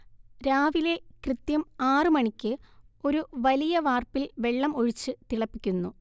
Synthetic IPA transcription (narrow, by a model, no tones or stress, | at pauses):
ɾaːʋile̞krɨt̪jɐmaːrɨmɐɳikʲːɨo̞ɾuʋɐlijɐʋaːrpilʋe̞ɭːɐmo̞ɻit͡ɕːɨt̪iɭɐpːikʲːunːu